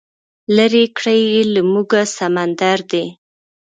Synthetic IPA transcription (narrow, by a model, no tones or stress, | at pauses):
laɾekɽajelamuɡasamand̪aɾd̪e